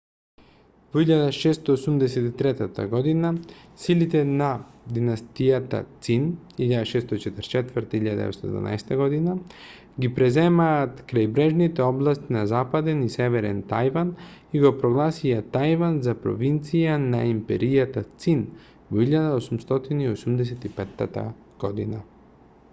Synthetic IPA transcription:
voiʎad̪aʃɛst̪ɔːsumd̪ɛs̬ɛt̪it̪ɾɛt̪at̪a̰ɡɔd̪inasilit̪ɛnad̪inast̪ijat̪a̰t̪siniʎad̪aʃɛst̪ɔt͡ʃɛt̪əɾt͡ʃɛt̪vəɾt̪aiʎad̪ɛ̰ɛst̪oɔɛd̪va̰na̰jsɛ̥t̪aɡɔd̪ina | ɡipɾɛzɛmaːt̪kɾajbɾɛʒnit̪ɛoblˠast̪inazapad̪ɛnisɛʋɛɾɛnt̪ajvaniɡopɾoɡlˠasijat̪ajvanzapɾo̰ʋint̪sijanaimpɛɾijat̪at̪sin | voiʎad̪aosumst̪ot̪iniosumd̪ɛs̬ɛt̪ipɛt̪ːat̪a̰ | ɡ̥od̪ina

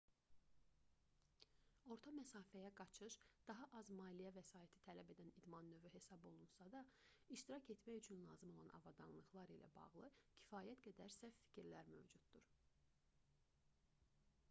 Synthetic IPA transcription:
o̞ɾt̪ʰɑmæsɑːfæjæɡɑt͡ʃʰɯʃd̪̥ɑɦɑʔɑzmɑːlijævæsɑːit̪ʰi̥t̪ʰælæbe̞d̪ænid̪mɑnːøvyɦe̞sɑbo̞lˠunsɑd̪ɑiʃt̪iɾɑcʰe̞t̪mæjyt͡ʃʰynlˠɑːzɯmo̞lˠɑ̰nɑ̰vɑd̪ɑ̰nlˠɯχlˠɑɾilæ̰bɑ̰ʁlˠɯcʰi̥fɑːjæt̪ɡæd̪æɾsæfːi̥cʰiɾlæɾmø̰vd͡ʒud̪̥d̪uɾ

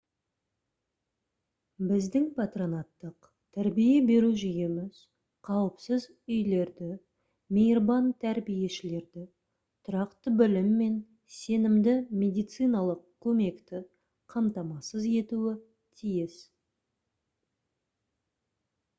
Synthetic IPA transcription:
bɪzd̪ɪŋpʰɑt̪ro̞nɑt̪ːəq | t̪ʰæɾbije̞be̞ɾuʒʏje̞mɪz̥ | qʰɑwəpsəz | ʏjle̞ɾd̪ɪ | mʲejrbɑnt̪ʰæɾbije̞ʃɪle̞ɾd̪ɪ | t̪ʰʊɾɑqt̪əbɪlɪmːe̞n | se̞nɪmd̪ɪmʲe̞d̪ijt̪sɨjnɑlˠəq̚kʲʰːɵme̞kt̪ɪ | qʰɑmt̪ɑmɑsəze̞t̪uɪ | t̪ʰijɪs

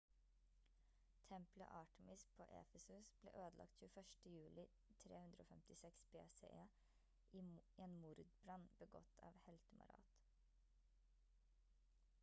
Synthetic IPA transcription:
t̪ʰɛmplə̰ʔɑːʈɛmɪspʰoːʔɛ̰fəsʉsb̥lḛːʔøːd̪əlɑ̰k̚t̪çʉːəfœʃʈəjʉːlɪ | t̪ʰɾeːhʉnd̪ɾoːfɛmt̪ɪsɛksbeːsḛʔeː | ʔiːeːnmʊɾd̪bɾɑnbəɡɔ̰t̪ʰɑ̰ːʋhɛlt̪əmɑ̰ɾɑ̰ːt̪

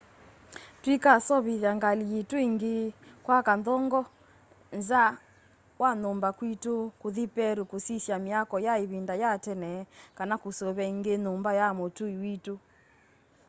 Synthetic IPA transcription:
twikasɔβiðaŋɡalijetoiŋɡekwakandɔŋɡɔ | nza | wanombakwitokoðipɛɾukosisjamiakɔjaeβindajatɛnɛkanakosoβɛiŋɡenombajamotuiwito

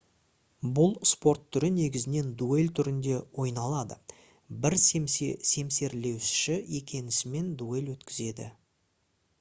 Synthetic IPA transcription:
bʊlˠspo̞rt̪ʰːʏɾɪne̞ɡʲɪzɪne̞nd̪ue̞lʲt̪ʰʏɾɪnd̪e̞wo̞jnɑlˠɑd̪ə̰ | bɪɾsse̞mse̞ɾle̞wʃɪ̥ʃɪje̞kʲʰe̞nɪsɪme̞nd̪ue̞lwɵt̪kʲɪze̞d̪ɪ̰

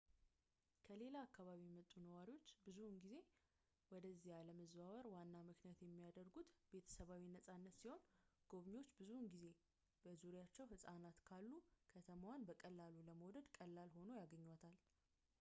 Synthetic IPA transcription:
kʰəle̞laːkːaβaβijmət̪ʼːunəwaɾiwo̞t͡ʃːbɨzunɡize̞ | wɔd̪əzːihaləməzβaβəɾwanːamɨknijat̪jɛmːijad̪əɾɡut̪be̞t̪ʰə̥səβawinəsʼanːət̪siho̞nɡ̥o̞βɲo̞t͡ʃːbɨzunɡize̞ | b̥əzuɾjat͡ʃːɛwhɨsʼanat̪kʰalːukʰət̪ʰəmawanbəkʼəlːaluləməwd̪əd̪kʼəlːalho̞no̞jaɡəɲːwat̪ʰal

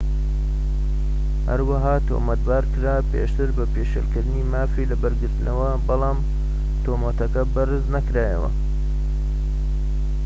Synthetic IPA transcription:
hɐ̰ɾwɐɦaːt̪ʰo̰mɐt̪̚baːɾkɨɾaːpḛʃt̪ɨɾbɐpeːʃḛlkɨɾd̪ɨniːmaːfiːlɐbɐɾɡɨɾt̪ɨnɐwɐbɑlɑːm | t̪ʰoːmɐt̪ɐkɐbɐɾɨznɐkɾaːjɐ̰wɐ̰

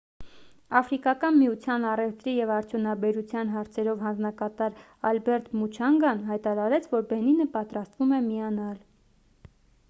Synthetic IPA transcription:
ɑfɾikɑkɑnmiut͡sʰjɑnɑrɛft̪ɾijɛvɑɾt͡sʰjunɑbɛɾut͡sʰjɑnɦɑɾt͡sʰɛɾɔvɦɑnd͡znɑkɑt̪ɑɾ | ɑlbɛɾt̪mut͡ʃʰɑŋɡɑnɦɑjt̪ɑɾɑɾɛt͡sʰvɔɾbɛninəpɑt̪ɾɑst̪vumɛmiɑnɑl

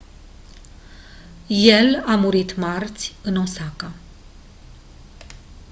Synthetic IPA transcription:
je̞lamuɾit̪mart̪sʲɨno̞saka

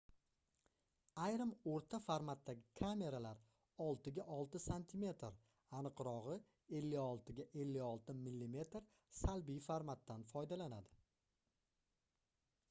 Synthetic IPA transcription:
ajɾɪmoɾt̪ʰafaɾmat̪ːaɡʲɪkʰame̞ɾalaɾ | ɒlˠt̪ɪɡʲaʔɒlˠt̪ɪsant̪ʰime̞t̪ɾ | anɨqɾɒʁɨ | e̞lːɪɒlˠt̪ɪɡʲaʔe̞lːɪɒlˠt̪ɪmɪlːime̞t̪ɾ | salbijfaɾmat̪ːanfɒjd̪alanad̪ɪ

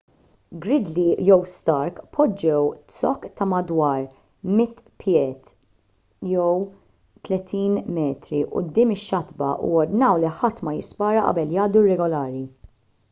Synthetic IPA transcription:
ɡɾɪd̪lijɔwst̪ɐɾkpʰɔd͡ʒːɛwt̪sɔkːt̪ɐmɐd̪wɐːɾ | mɪt̪ːpjɛːt̪ | jɛw | t̪lɛt̪iːnmɛːt̪ɾiʔʊ̰d̪ːɪːmɪʃːɐt̪bɐ̰ʔṵɔɾd̪nɐwliħɐt̪ːmɐjɪspɐːɾɐʔɐ̰bɛljɐːd̪uɪrːɛɡɔlɐːɾi

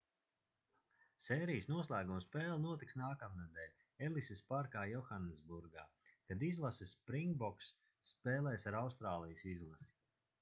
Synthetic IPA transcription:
seːɾijəsnuɔslˠæːɡumspɛːlˠnuɔt̪iksnaːkamnad̪ɛːlʲ | ɛlˠisespaɾkaːjɔxanːezbuɾɡa̰ːkad̪izlˠasispɾiŋɡbɔksː | peːlˠɛːsaɾawst̪ɾaːlˠijəsizlˠasi̥

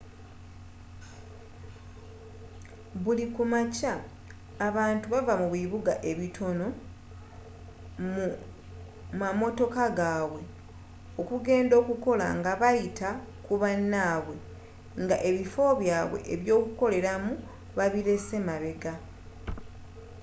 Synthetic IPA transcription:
βulikumacaː | βaːntuβavamuβiβuɡaʔe̞βitʰo̞no̞ | mu | mamo̞to̞kaɡaːwe̞ | o̞kuɡe̞ːndo̞ːkuko̞la̰ŋɡaβajita | kuβanːaːβwe̞ | ŋɡaʔe̞βifo̞βjaːβwe̞̰ʔeβjo̞ːkuko̞le̞ɾamu | βaβiɾe̞se̞maβe̞ɡa

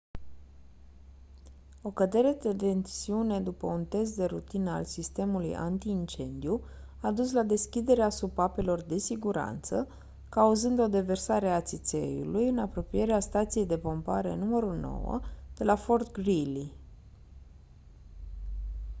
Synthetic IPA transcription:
o̞kəd̪e̞ɾe̞d̪et̪e̞nsiune̞d̪upəunt̪e̞s̬t̪̚d̪e̞ɾut̪inəa̰lsist̪e̞mulujʔa̰nt̪iːnt͡ʃe̞nd̪iu | ad̪uslad̪e̞skʲid̪e̞ɾeasupape̞lo̞rd̪e̞siɡuɾa̰nt̪sə | kauzɨnd̪o̞d̪e̞ve̞rsaɾeat̪sit̪se̞̰jṵlujɨnapɾo̞pije̞ɾeast̪at̪sije̞jd̪e̞po̞mpaɾe̞̰numəɾuno̞̰wə̰d̪̥e̞lafo̞rt̪ɡɾili

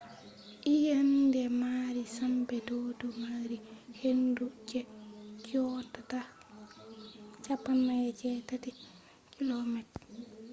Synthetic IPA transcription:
ʔijandɛmaɾisambɛdoːdɔmaɾihendud͡ʒɛkɔtata | t͡ʃapːanːajɛt͡ʃɛtati | kilɔmɛt

